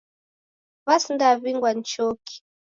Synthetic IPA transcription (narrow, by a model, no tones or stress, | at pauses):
βasindaβiŋɡwan̩t͡ʃɔki̥